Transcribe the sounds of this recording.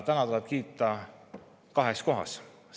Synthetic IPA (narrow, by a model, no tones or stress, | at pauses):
t̪ænɑt̪uleb̥̚kiːt̪ːˑɑ | kɑɦe̞sko̞ɦɑ̰s